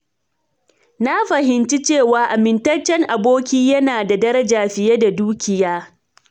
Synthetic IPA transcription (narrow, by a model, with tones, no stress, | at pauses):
na˦ɸɐ˨hɪ˨nt͡ʃi˦t͡ʃeː˦˨waː˨ʔa˨mɪ˨ntɐ˦t͡ʃːɛ˦ŋʔa˨boː˦kʲiː˦jɐ˦naː˨da˨dɐ˦ɾɐ˦d͡ʒaː˨ɸɪ˨jɛ˦da˨duː˦kʲɪ˨jaː˦